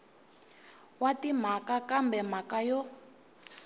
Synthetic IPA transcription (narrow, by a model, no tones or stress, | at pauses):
watim̤akakambɛm̤akajɔ